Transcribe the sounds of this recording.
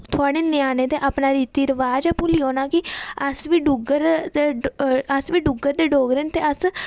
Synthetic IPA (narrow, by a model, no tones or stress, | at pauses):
t̪ʰʊaːɽ̃eːnjaːneːd̪eːʔaːpnaːɾiːt̪iːɾəʋaːd͡ʒapũːliːoːnaːkɪəsʋiːɖʊɡəɾeəsʋiːɖʊɡəɾd̪eːɖoːɡɾent̪eːəs